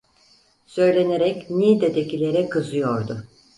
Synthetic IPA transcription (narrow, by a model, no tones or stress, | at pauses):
sø̞jlʲe̞neɾɛcnid̪ed̪ecilʲe̞ɾɛkʰɯzɯjoɾd̪ʊ